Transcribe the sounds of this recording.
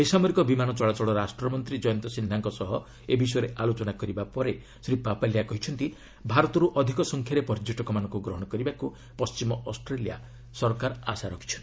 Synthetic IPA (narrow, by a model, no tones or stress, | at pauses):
ejsamɔɾikɔbimanɔt͡ʃɔɭat͡ʃɔɽɔɾasʈɾɔmɔnt̪ɾid͡ʒɔjɔnt̪ɔsind̪ʱaŋkɔsɔɦɔ | ebis̬ɔjɔɾeʔalot͡ʃɔnakɔɾibapɔɾe | sɾipapaljakɔɦit͡ʃʰɔnt̪i | bʱaɾɔt̪ɔɾuʔɔd̪ʱikɔsɔŋkʰjaɾepɔɾd͡ʒoʈɔkɔmanɔŋkuɡɾɔɦɔɽ̃ɔkɔɾibaku | pɔst͡ʃimɔʔɔsʈɾelija̰ | sɔɾkaɾasaɾɔkʰi̥t͡ʃʰɔnt̪i